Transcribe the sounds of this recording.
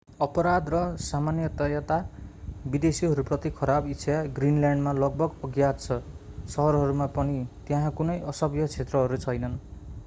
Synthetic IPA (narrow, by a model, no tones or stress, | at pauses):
ʌpʌɾad̪rʌsamanjʌt̪ʌjat̪abid̪esiɦʌɾuprʌt̪ikʰʌɾabitt͡sʰjaɡrinljaɳɖmalʌɡ̚bʌɡʌɡjat̪t͡sʰʌ | sʌɦʌɾɦʌɾumapʌnit̪jãɦãkunʌjʌsʌbjʌt͡sʰet̪rʌɦʌɾut͡sʰʌjnʌn